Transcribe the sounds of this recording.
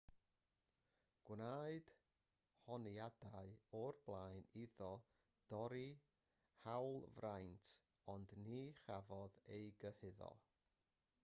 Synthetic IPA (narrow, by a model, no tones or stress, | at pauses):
ɡ̥wnaɨd̥ | hɔniadaɨɔrblˠaːjniðɔ | d̥ɔɾi | hawlˠvrajntʰ | ɔndniːχavɔðejɡəhɪðɔ̰